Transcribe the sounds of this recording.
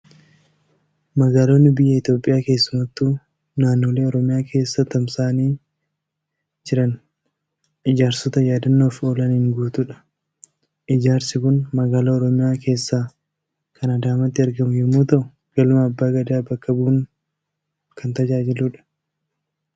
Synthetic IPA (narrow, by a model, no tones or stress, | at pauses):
mɐɡaːlo̞ːnːɪbɪjːɐɪt̪jo̞ːpʼːɪjaːke̞ːsːʊmɐt̪ːuː | naːnːo̞ːle̞ːɔɾɔmɪjaːkʰe̞ːsːɐt̪ɐmsaːniː | d͡ʒɪɾɐn | ʔɪd͡ʒaːɾsɔt̪ɐjaːd̪ɐnːoːfoːlɐnɪŋɡuːt̪uᶑɐ̥ | ʔɪd͡ʒaːɾsɪkʊnmɐɡaːlaɔɾɔmɪjaːke̞ːsːaː | kʰɐnɐd̪aːmɐt̪ːɪɐɾɡɐmʊjɛmːoːt̪ɐʔʊ | ɡ̥ɐlʊmɐːbːaːɡɐd̪aːbɐkːɐbuːŋ | kʰɐnt̪ɐd͡ʒaːd͡ʒɪluᶑɐ̥